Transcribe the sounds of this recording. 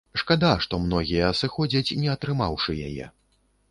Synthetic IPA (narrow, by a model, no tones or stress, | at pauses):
ʂkad̪aʂt̪ɔmnɔɣʲijɐːsɨxɔd͡zʲɐt͡sʲnʲɛɐt̪ɾɨmawʂɨja̰jɛ̰